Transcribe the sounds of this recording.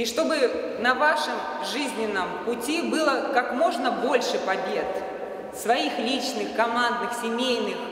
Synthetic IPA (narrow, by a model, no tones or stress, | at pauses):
iʂt̪o̞bɨ | nɐvaʂɨm | ʐɨzʲnʲɪnːəmpʊtʲibɨlˠəkakmo̞ʐnəbo̞lʲʂɨpɐbʲe̞t̪ | svɐixlʲit͡ɕnɨxkɐmand̪nɨxsʲɪmʲejnɨx